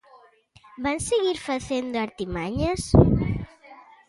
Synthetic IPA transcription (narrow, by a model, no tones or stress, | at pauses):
banseɣiɾfaθend̪oaɾt̪imaɲas